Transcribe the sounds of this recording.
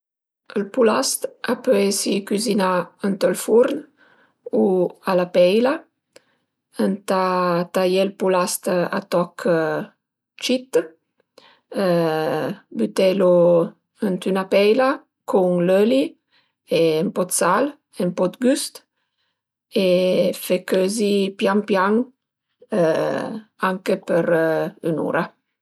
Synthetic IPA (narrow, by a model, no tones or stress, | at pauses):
əlpulast̪apøjsikyzinaənt̪əlfuɾn | ualapɛjla | ənt̪at̪ajɛlpulast̪a̰t̪ɔkʰ | t͡ʃit̪ː | byt̪ɛlo | ənt̪ynapɛjla | kʰuŋløli | empɔt̪sal | empɔt̪ɡyst̪ | efekøzipjaŋpjaŋ | aŋkepəɾynṵːɾa